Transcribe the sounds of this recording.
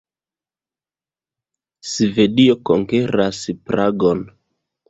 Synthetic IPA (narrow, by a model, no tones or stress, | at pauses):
sive̞dio̞koŋkeɾaspɾaɡo̞n